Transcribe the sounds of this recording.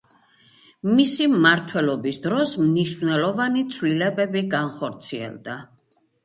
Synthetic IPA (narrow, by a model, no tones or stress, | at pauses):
misimmaɾt̪ʰwɛlɔbisd̪ɾɔsmniʃvnɛlˠɔvanit̪sʰvlilɛbɛbiɡanχɔɾt̪sʰiɛ̰lˠd̪a